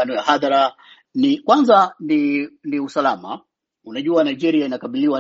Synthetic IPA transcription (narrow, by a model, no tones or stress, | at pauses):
anɔjahaðaɾa | nikwanzaniniusalama̰ | unaʄuanaid͡ʒɛɾiainakaɓiliwa